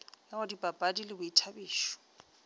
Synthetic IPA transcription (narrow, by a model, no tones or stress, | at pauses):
jaʊdibʼapʼadilɪbʊitʰabiːʃɔ̥